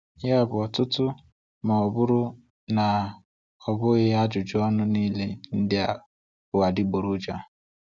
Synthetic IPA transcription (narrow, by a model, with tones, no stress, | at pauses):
ja˦˨bʊ˨ɔ˨tʊ˦tʊ˦ | ma˨ɔ˨bʊ˦ɾʊ˦ | na˨ | ɔ˨bʊ˦ɣɪ˦a˦d͡ʒʊ˨d͡ʒɔ˦nʊ˦niː˦le˦n̩˦dɪ˦a˨ | ʊ˨a˨dɪ˦ɡ͡bo˨ɾu˦d͡ʒa˦